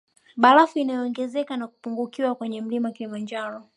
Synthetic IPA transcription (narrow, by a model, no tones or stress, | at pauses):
ɓalafuinajɔːŋɡɛzɛkanaku̥puŋɡukiwakwɛɲɛm̩limakilimaɲd͡ʒaɾɔ